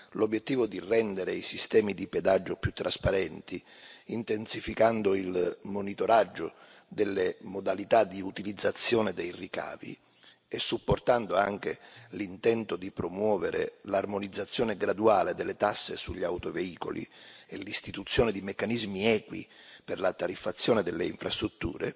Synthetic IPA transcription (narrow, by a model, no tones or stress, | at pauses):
lobjet̪ːiːvod̪irɛnd̪eɾeisist̪ɛːmid̪iped̪ad͡ʒːopjut̪ːɾʔaspaɾɛnt̪i | int̪ensifikand̪ʊilmonit̪oɾad͡ʒːʊ | d̪elːemod̪alit̪ad̪iut̪ilid̪zːat̪sːjɔːnɪd̪ejrika̰ːvḭ | esːupːort̪and̪oaŋk̟elint̪ɛnt̪ʊd̪ipɾomwɔːveɾʔḛlarmonid̪zːat̪sːjɔːneɡɾad̪uaːled̪ɪlːet̪asːḛsuʎːawt̪oveiːko̰lḭelist̪it̪ut̪sːjoːnɪd̪imekːanizmiɛːkwḭ | pɪrlat̪aɾifːat̪sːjɔːnɪd̪elːeiɱfɾast̪ɾut̪ːṵːɾḛ